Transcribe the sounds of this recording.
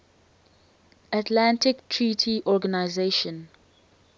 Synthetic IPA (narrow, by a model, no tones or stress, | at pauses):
atlãntɪktʰɹitʰiʔɔɡanaɪzeʃɔ̃n